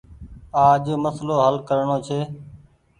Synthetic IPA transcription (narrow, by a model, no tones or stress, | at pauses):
aːʄməsloːɦəlkəɾɳoːt͡ʃʰeː